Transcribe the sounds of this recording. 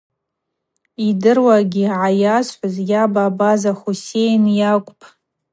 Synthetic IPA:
idɨrwaɡʲiʕajasħʷʊzjabaːbazaχusejnjakʷʼpʰʼ

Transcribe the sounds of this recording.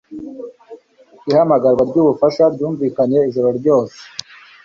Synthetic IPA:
ihamaɡaɾɡwaɾɟuːβufaʃaɾɟuːɱviːkaɲje̞izoɾoɾɟo̞ːse̥

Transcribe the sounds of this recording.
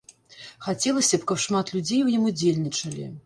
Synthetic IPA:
xat͡sʲɛlˠɐsʲɐpkɐpʂmat̪lʲud͡zʲejwjimud͡zʲelʲnʲit͡ʂɐlʲḭ

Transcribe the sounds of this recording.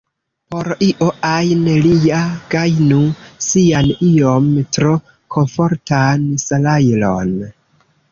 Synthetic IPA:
poɾiʔoʔajnelijaɡ̥ajnusianiomtɾo̞ | kʰonfo̞ɾtansalajlo̰n

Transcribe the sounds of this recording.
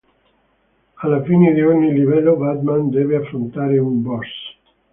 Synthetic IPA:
alafineðeɔniliβɛloβad̪mãnd̪eβeafɾont̪aɾeumbɔs

